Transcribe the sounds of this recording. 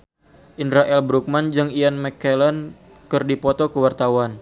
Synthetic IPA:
ʔinɾaʔɛlbɾuk̚mand͡ʒɨŋianmɛkɛlɛn | kɨrdipɔt̪ɔkəwart̪awan

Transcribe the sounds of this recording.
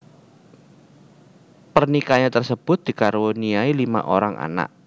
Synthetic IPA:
pərnikaɲat̪ərsəb̥ʊ̤t̪̚d̪̥i̤kaɾuniailima̰ʔoɾaŋʔa̰na̰ʔ

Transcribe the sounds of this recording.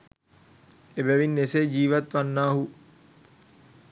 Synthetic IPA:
ebæʋinːeseːd͡ʒiːʋɐt̪ʋanːaːɦu

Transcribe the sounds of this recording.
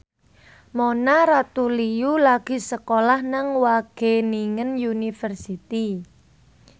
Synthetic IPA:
monaɾat̪ulijulaɡ̥i̤səkolahnaŋwaɡ̥e̤niŋənjunifərsit̪i

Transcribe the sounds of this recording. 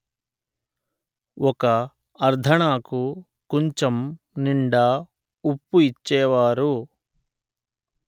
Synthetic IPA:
wʔɔkɐː | ɾd̪ʱɐɳaːku | koɲt͡ʃɐm | niɳɖa | upːuit͡ʃːɛːʋaːɾu

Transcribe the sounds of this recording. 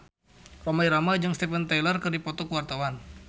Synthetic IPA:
romaiɾamad͡ʒɨŋst̪ɛfɛnt̪ajlərkərdipɔt̪ɔkəwart̪awan

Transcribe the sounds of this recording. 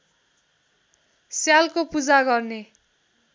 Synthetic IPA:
sjalkopud͡zaɡʌrne

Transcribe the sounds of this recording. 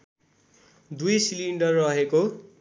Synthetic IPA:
d̪ujsiliɳɖʌrːʌɦeko

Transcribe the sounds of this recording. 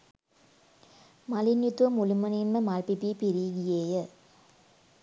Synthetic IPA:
mɐlinjut̪uʋɐmulumɐninməmalpipipiɾiɡijeːjə

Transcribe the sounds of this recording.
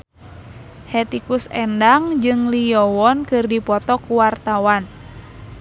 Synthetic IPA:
hɛt̪ikusɛndaŋd͡ʒɨŋliɔwɔnkɨrdipɔt̪ɔkuwart̪awan

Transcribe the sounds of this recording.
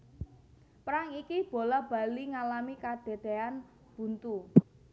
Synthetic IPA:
pɾaŋikib̥o̤lɔb̥a̤liŋalamikad̪̥e̤d̪̥ean | b̥ṳnt̪u

